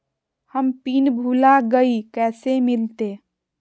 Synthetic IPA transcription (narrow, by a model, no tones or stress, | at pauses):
həmpinbʱulaɡəikɛsemilt̪e